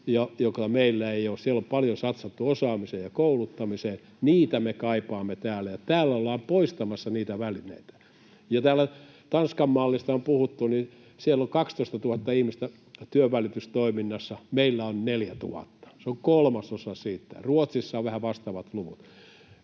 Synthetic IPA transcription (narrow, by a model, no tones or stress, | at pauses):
jɑjokɑmeilːæeioːssielːompɑljosɑt̪sɑt̪ːuosɑːmiseːjjɑkoulut̪ːɑmiseː | niːt̪æmekɑipɑːmːet̪æːlːæjɑt̪æːlːæolːɑːmpoist̪ɑmɑsːɑniːt̪æʋælinḛit̪æ̥ | jɑt̪æːlːæ | t̪ɑnskɑmːɑːlːist̪ɑompuhut̪ːuni | sielːoŋkɑkst̪oˑist̪ɑt̪uhɑt̪ːɑihmist̪æ | t̪yøʋælit̪yst̪oiminːɑsːɑmeilːæonneljæt̪ṵɑ̰t̪ːɑ̥seoŋkolmɑsosɑsiːt̪ːæ̰ruot̪sisːɑːʋʋæhæʋɑst̪ɑʋɑt̪luʋut̪